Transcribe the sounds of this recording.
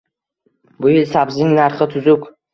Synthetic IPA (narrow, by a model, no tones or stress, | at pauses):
bʊjɪlsabzɪŋnaɾχɪt̪ʰʊzʊk